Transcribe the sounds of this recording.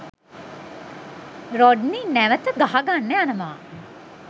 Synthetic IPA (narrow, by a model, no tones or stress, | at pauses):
ɾɔɖninæʋət̪əɡaɦaɡanːəjanəmaː